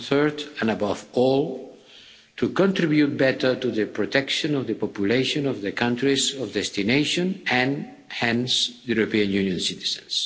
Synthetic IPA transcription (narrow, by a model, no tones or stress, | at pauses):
θɜ˞d̪ãnabavɔlˠ | t̪ʰukɔ̃nt̪ɾibjut̪̚bɛt̪ə˞t̪uðəpɾɔt̪ɛkʃɔ̃nɔvðəpɔpjuleʃõnɔvðəkʰãnt̪ɾizɔvd̪ɛst̪ineɪʃɔ̃næ̃n | hɛ̃nsjuɾopiãnjunjɔ̃nsit̪i̥zə̃ns